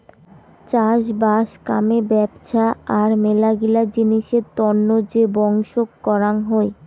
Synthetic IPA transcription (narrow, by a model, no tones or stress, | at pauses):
t͡ɕaʃbaʃka̰mebɛbʃʰaaɾmelaɡilad͡ʑiniʃeɾt̪ɔnːod͡ʑebɔŋʃokːɔɾaŋɦɔe